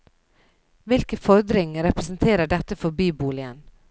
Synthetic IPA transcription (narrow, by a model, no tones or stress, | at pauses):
ʋɪlkəfɔɾd̪ɾɪŋəɾɛpɾəsn̩t̪ʰeːɾəɖɛt̪əfɔbyːbuːlɪən